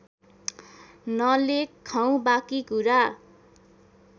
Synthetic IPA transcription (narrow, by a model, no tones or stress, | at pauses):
nʌlekʰːaw̃bakikuɾa